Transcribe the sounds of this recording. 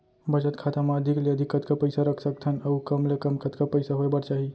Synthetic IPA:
bʱəd͡ʒət̪kʰat̪amaːd̪ʱikleəd̪ʱikət̪̚kapəjsaɾəkʰsək̚t̪ʰənəwkəmlekəmkət̪kapəjsaɦoebəɾt͡ʃaɦi

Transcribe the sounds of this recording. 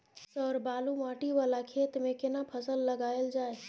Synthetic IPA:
səɾbaːlumãːʈiʋaːlakʰeːt̪mẽkɪnapʰəsəlːəɡaːeld͡ʒaːe

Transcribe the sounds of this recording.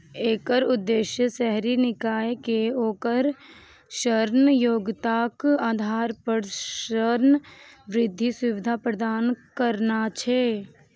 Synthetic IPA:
eːkəɾʊd̪ːeːʃjəsɛɦɾinɪkaːjkeoːkəɾ | ʃəɾnjoːɡt̪aːkaːd̪ʱaːɾpəɽʃəɾnʋɾɪd̪ʱːisʊʋɪd̪ʱapɾəd̪aːnkəɾnat͡ʃʰɛː

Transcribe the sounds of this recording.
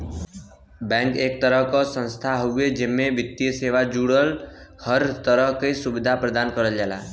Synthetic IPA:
bɛ̃ŋkeːk̚t̪əɾəɦkɔsə̃nst̪ʰaɦoɡed͡ʒemːeʋit̪ːijəseʋad͡ʒuɽəlhəɾt̪əɾəɦkəisubid̪ʱapɾəd̪ankəɾəld͡ʒala̰

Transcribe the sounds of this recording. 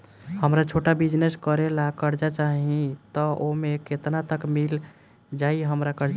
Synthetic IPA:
həmɾat͡ʃʰoʈabid͡ʒneskəɾelakəɾd͡ʒat͡ʃaɦĩt̪ɔʔomeket̪nat̪əkmil | d͡ʒaiɦəmɾakəɾd͡ʒ

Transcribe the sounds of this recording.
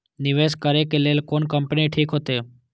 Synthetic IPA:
nɪʋeːskəɾekeleːlkoːnkəmpniʈʰiːkɦoːt̪eː

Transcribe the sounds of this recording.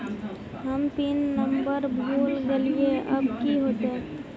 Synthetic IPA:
ɦəmpɪnːəmbəɾbʱuːlɡelieʔɐ̰bkiɦoːt̪ɦɛ̃ː

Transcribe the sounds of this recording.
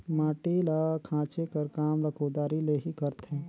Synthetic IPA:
mãːʈilakʰãːt͡ʃekəɾkaːmɾəkʰod̪aːɾileɦikəɾt̪ʰẽ

